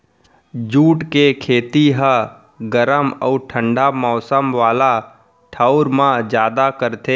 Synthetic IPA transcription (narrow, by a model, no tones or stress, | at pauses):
d͡ʒuːʈkekʰeːt̪iɦə | ɡəɾəmə̰ːʈʰə̃ɳɖamɔːsəmʋaːla | ʈʰəʊɾmãd͡ʒjaːd̪akəɾt̪ʰeː